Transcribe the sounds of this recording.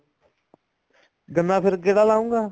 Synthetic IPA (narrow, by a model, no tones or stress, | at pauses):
ɡənːãːpʰɪɾɡeːɽaːlaːũːɡaː